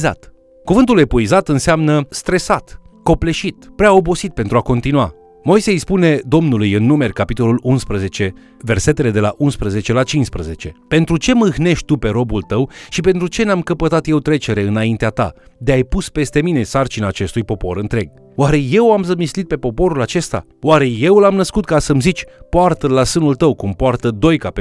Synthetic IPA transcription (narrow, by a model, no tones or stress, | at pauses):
za̰t̪ | kuvɨnt̪ule̞puizat̪ɨnseamnəst̪ɾe̞sat̪ko̞ple̞ʃit̪pɾeao̞bo̞sit̪̚pent̪ɾuako̞nt̪inua | mo̞jsejspune̞d̪o̞mnulujɨnːume̞rʲkapit̪o̞lulunspɾəze̞t͡ʃe̞ | ve̞rse̞t̪e̞le̞d̪e̞la̰ʔunspɾəze̞t͡ʃe̞lat͡ʃinspɾəze̞t͡ʃe̞pe̞nt̪ɾut͡ʃe̞mɨxne̞ʃt̪̚ʲt̪upe̞ɾo̞bult̪əwʃipe̞nt̪ɾut͡ʃe̞namkəpət̪at̪je̞wt̪ɾe̞t͡ʃe̞ɾe̞ɨnaint̪eat̪a̰ | d̪e̞ajpuspe̞st̪e̞mine̞sart͡ʃinaːt͡ʃe̞st̪ujpo̞po̞ɾɨnt̪ɾe̞ɡ̚ | waɾe̞je̞wamzəmislit̪̚pe̞po̞po̞ɾulat͡ʃe̞st̪a̰ | waɾe̞je̞wɨlamnəskut̪kasəmzit͡ʃʲpoart̪əlasɨnult̪əwkumpoart̪əd̪o̞jkape